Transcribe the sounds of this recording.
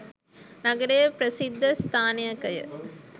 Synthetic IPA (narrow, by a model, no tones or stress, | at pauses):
nɐɡɐɾejɐpɾɐsid̪ʱːɐst̪ʰaːnijɐkɐjɐ̰